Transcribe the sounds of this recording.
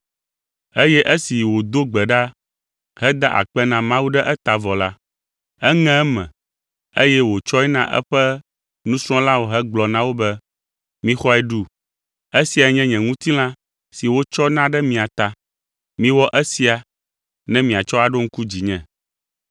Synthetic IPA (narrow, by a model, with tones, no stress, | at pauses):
e˦jɛ˦ʔe˦si˨wo˨d̪o˦ɡ͡bɛ˨ɖa˦ | ɦɛ˦d̪a˦ʔa̰˨k͡pɛ˦nã˨mã˦wu˦ɖɛ˦ʔɛ˦t̪a˨vɔ˨la˦ | ɛ˦ŋɛ̃˦ɛ˦mɛ̰̃˨ | e˦jɛ˦wo˨t͡ʃɔ˦ɛ˦nã˦ʔɛ̰˦ɸɛ˦ | nũ˦sɾ̃ɔ̃˦la˦wo˨ɦɛ˦ɡ͡blɔ˨nã˦wo˦bɛ˦ | mĩ˦xɔ˦ɛ˨ɖu˦ | e˦si˨a˨ɲɛ̃˦ɲɛ̃˨ŋũ˦t̪i˦lã˦ | si˨wo˦t͡ʃɔ˦nã˦ɖɛ˦mĩ˨a˨t̪a˨ | mĩ˦wɔ˦ʔɛ˦si˦a˨ | nɛ̃˦mĩ˨a˨t͡ʃɔ˦a˨ɖo˦ŋ̩˦ku˦d͡ʑi˨ɲɛ̰̃˨